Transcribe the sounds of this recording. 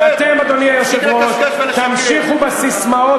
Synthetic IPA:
at̪emad̪oniajeʃeɡʁott̪amʃiχubasismao

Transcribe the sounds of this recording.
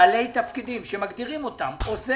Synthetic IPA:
ale̞jt̪afkid̪imʃe̞maɡd̪iʁimo̞t̪amoze

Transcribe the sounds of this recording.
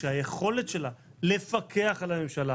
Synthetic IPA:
eajeχo̞le̞tʃe̞lale̞fakʰe̞aχalame̞mʃala

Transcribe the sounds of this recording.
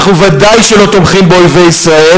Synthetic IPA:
χnuvad̪ajʃelo̞t̪omχimbeojve̞jisʁae

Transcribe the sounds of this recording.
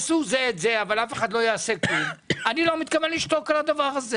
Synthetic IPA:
suzeːtzeavalafe̞χad̪lo̞jaːseklulanilo̞mit̪kavenliʃt̪o̞kalad̪avaʁaze

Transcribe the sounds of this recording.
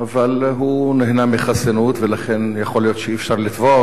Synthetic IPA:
avalɦuneɦnamiχasanut̪velaχenjaχolijo̞t̪ʃeifʃaʁlit̪vo

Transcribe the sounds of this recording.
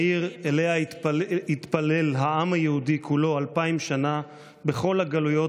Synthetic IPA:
iʁelea | it̪pale̞lɦaʔamajeud̪ikʰulo̞alpaimʃana | be̞χo̞lhaɡalujo̞

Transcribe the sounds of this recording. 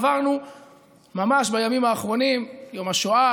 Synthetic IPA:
vaʁnu | mamaʃbajamimaːχʁo̞nimjomaʃoa

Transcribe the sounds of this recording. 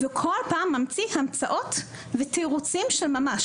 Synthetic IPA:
vekʰo̞lpaːmːamt͡sihamt͡saʔo̞t | vet̪eʁut͡simʃelmamaʃ

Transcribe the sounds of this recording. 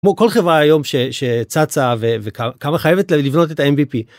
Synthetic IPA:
kmoko̞lχevʁaajo̞mʃeʃet͡sat͡savevekakamaχajevetllivno̞t̬etaemvipi

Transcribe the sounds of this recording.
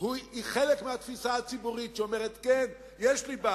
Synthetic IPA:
huiχelekmeat̪fisaat͡sibuʁitʃeomeʁet̪ken | jeʃliba

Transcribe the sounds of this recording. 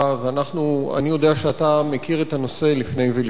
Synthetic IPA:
veanaχnua̰nijo̞deaʃeatamekiʁet̪ano̞se̞lifne̞jvel

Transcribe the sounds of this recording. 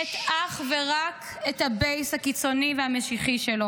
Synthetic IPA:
etaχveʁak | ethabejshakit͡so̞niveameʃiχiʃelo

